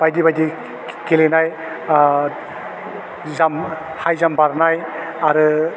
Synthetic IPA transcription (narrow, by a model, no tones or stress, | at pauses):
b̥ajdibajdi | kelenaj | zam | hajzambaɾnaj | aɾɯ